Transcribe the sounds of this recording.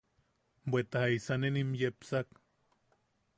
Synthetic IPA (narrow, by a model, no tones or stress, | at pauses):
bʷet̪ahaisanenimjepsak